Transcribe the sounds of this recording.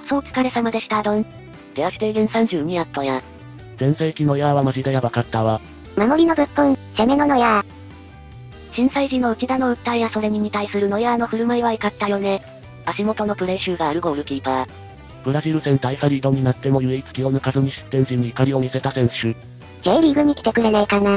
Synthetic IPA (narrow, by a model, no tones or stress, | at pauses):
so̞ːt͡sɨ̥kaɾe̞samad̪e̞ɕi̥t̪ad̪õ̞ŋ | d̪̥e̞aɕi̥d̪e̞ɡẽ̞ɰ̃sãɲ̟d͡ʑɨːɲ̟iat̪ːo̞ja | z̥ẽ̞ɰ̃seːkʲino̞jaβ̞amaʑid̪ajabakat̪ːaβa | mamo̞ɾʲino̞bʲɯ̟pːõŋɕame̞no̞nojaː | ɕĩɰ̃saiʑino̞ɯ̟t͡ɕid̪ano̞ɯ̟t̪ːaijaso̞ɾe̞ɲ̟ʲiɲ̟it̪aisɨɾɯ̟no̞jaːno̞ɸɯ̟ɾɯ̟maiβaikat̪ːajo̞ne̞ | aɕimo̞t̪o̞no̞pɯ̟ɾe̞ɕɨːɡaːɾɯ̟ɡo̞ɯ̟ɾɯ̟kʲiːt̪a | pɯ̟ɾaʑiɾɯ̟sẽ̞nt̪aisaɾʲiːd̪o̞ɲ̟inat̪ːe̞mo̞jɯ̟eit͡sɨ̥kʲio̞nɯkazɨɲ̟iɕɨ̥t̪ːẽ̞ɲ̟ʑiɲ̟iːkaɾʲio̞mʲise̞t̪asẽ̞ɰ̃ɕɨ | zeːɾʲiɡɯ̟ɲ̟ikʲi̥t̪e̞kɯ̟ɾe̞naikana